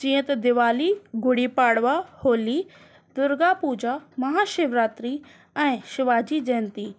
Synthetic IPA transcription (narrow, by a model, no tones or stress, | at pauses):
d͡ʒĩːə̃t̪d̪ɪʋaːliɡʊɽipaːɽʋahoːli | d̪ʊɾɡapuːd͡ʒamɐɦaːʃɪʋɾaːt̪ɾi | ɛ̃ːʃɪʋaːd͡ʑid͡ʒɛːnt̪iː